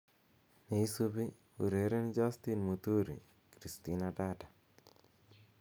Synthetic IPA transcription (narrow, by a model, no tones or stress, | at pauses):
nejsubi | ṵɾeɾend͡ʒaːst̪inmut̪uːɾḭ | kɾist̪inaʈaːʈḁ